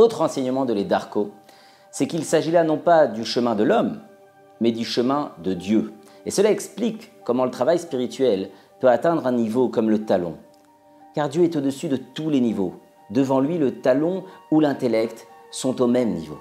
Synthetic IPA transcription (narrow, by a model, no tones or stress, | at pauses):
ot̪χɑ̃sɛɲəmɑ̃d̪əled̪aʁko | sɛkilsaʒilanɔ̃pad̪yʃəmɛ̃d̪əlɔmː | ɛd̪yʃəmɛ̃d̪əd̪jø | esəlaɛksplikːɔmɑ̃lət̪χavajspiʁit̪ɥɛl | pøat̪ɛ̃d̪ʁɛ̃nivokɔmlət̪alɔ̰̃ | kaʁd̪jøɛt̪od̪əsyd̪ət̪ulenivo | d̪əvɑ̃lɥilət̪alɔ̃ulɛ̃t̪elɛkt̪sɔ̃t̪omɛmnḭvo̰